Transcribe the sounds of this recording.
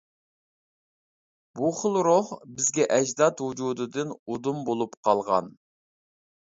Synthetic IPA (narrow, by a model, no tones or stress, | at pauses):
buχəlˠɾohbɪzɡʲɛʔɛd͡ʒd̪ɑt̪hud͡ʒud̪ɨd̪ɨnod̪umbolˠupqʰɑlˠʁɑ̰n